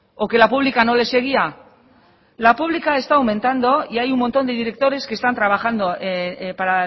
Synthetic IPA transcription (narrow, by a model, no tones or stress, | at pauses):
o̞ke̞lapuβ̞likano̞le̞se̞ɣ̞ia | lapuβlikae̞st̪aːwmẽ̞nt̪and̪o̞iajumːo̞nt̪o̞nd̪eðiɾe̞k̚t̪o̞ɾe̞ske̞st̪ant̪ɾaβ̞axand̪o̞ʔepaɾa